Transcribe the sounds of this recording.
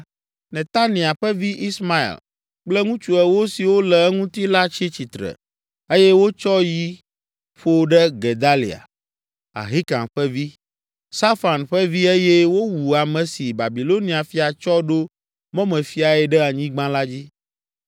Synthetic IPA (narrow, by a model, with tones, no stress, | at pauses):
nɛ̃˨t̪a˦nĩ˨a˨ɸɛ˦vi˦ʔi˦sma˦ḭ˨l | k͡plɛ˦ŋũ˦t͡ʃu˨ɛ˦wo˦si˨wo˦lɛ˨ɛ˦ŋũ˦t̪i˦la˦t͡ɕi˦t͡ɕi˨t̪ɾɛ̰˨ | e˦jɛ˦wo˦t͡ʃɔ˦ji˦ | ɸo˦ɖɛ˦ɡe˨d̪a˦lḭ˨a̰˨ | a̰˨ɦi˦kã̰˨ɸɛ˦vi˦ | sa˦fa˨nɸɛ˦vi˦e˦jɛ˦wo˦wu˨a˨mɛ̃˨si˨ba˨bi˨lo˦nĩ˨a˨fi˨a˨t͡ʃɔ˦ɖo˦ | mɔ̃˦mɛ̃˨fi˦a˨ɛ˨ɖɛ˦a˨ɲĩ˦ɡ͡bã˦la˦d͡ʑi˦